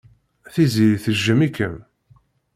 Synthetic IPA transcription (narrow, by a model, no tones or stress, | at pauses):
θiziɾθəʒːəmikːəm